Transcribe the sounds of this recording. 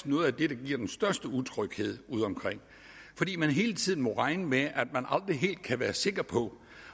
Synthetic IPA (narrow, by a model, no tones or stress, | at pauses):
nɔ̽ːð̩ˠæd̥e̝ɾ̥ɑ̈ɡ̥iɐ̰d̥ensd̥ɶɐsd̥əut͡sʰʁœɡ̥he̝ð̰ˠuð̞̰ˠɒ̽mkʰʁeŋ̰ | fɒd̥ḭːmænɦe̝ːlət͡sʰið̞̰ˠn̩mɒ̽ʁɑ̈ɪnəmeʔæd̥mænʔɑ̈ld̥ʁiɦe̝̰ːld̥̚kʰæʋæːɐse̝ɡ̥ɐpʰɒ̽